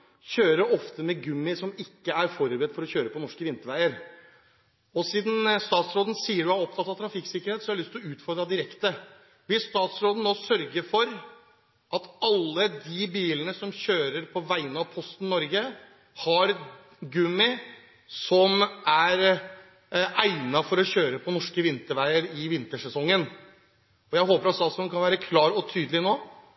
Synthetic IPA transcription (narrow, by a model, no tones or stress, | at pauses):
çøːɾəɾɔft̪əmɛɡʉmːɪsɔmɪkːəæɾfɔɾbɾɛd̪fɔɾɔçøːɾəpɔnɔʂkəʋɪnt̪əɾʋæɪəɾ | ɔsiːd̪n̩st̪ɑːt̪sɾoːd̪ən̩siːəɖʉhæɾɔp̚t̪ʰɑt̪ːɑʋt̪ʰɾɑfɪksɪkːəɾheːt̪sɔæɑɭʏst̪ɪlɔʉːt̪fɔɾd̪ɾɑd̪ɪɾɛkt̪ə | ʋɪlst̪ɑːt̪sɾoːd̪ən̩oːsœɾɡəɾfɔɾ | ʔɑt̪ɑlːəd̪ɪbiːlənəsɔmçøːɾəɾpʰɔʋæɪənɑʋpʰɔst̪n̩nɔɾɡə | hɑɾ | ɡʉmɪ | sɔmæɾ | æɪnɑfɔɾɔɕçøːɾəpʰɔnɔʂkəʋɪnt̪əɾʋæɪəɾɪʋɪnt̪əʂɛsɔŋːən | ɔjæɪɦoːpəɾɑt̪stɑːt̪sɾoːd̪kʰɑnʋæːɾəkʰlɑːɾɔt̪ʰyːd̪lɪnoː